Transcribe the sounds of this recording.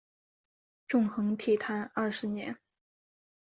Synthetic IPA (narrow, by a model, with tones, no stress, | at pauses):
ʈ͡ʂʊ˥˩ŋxɤ˧˥ŋt̪ʰi˨˩t̪ʰa˧˥nɐ˥˩ʂɻ̩˧˥njɛ̰˧˥n